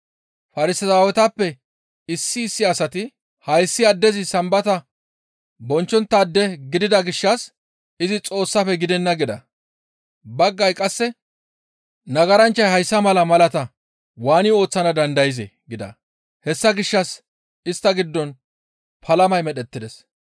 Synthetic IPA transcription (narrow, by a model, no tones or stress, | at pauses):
fɐɾɪsɐsaːwɛt̪ɐpːɛ | ɪsːɪːsːɪɐsɐt̪ɪ | hɐjsːɪɐd̪ːɛzɪsɐmbɐt̪ɐ | bɔnt͡ʃːɔnt̪ːɐːd̪ːɛɡɪd̪ɪd̪ɐɡɪʃːɐs | ɪzɪt͡sʼo̞ːsːɐfɛɡɪd̪ɛnːɐɡɪd̪ɐ̰ | bɐɡːɐjkʼɐsːɛ | nɐɡɐɾɐnt͡ʃːɐjhɐjsːɐmɐlɐmɐlɐt̪ɐ | waːnɪo̞ːt͡sːɐnɐd̪ɐnd̪ɐjɪzḛɡɪd̪ɐ̰ | hɛsːɐɡɪʃːɐs | ɪst̪ːɐɡɪd̪ːɔn | pʰɐlɐmɐjmɛɗɛt̪ːɪd̪ɛs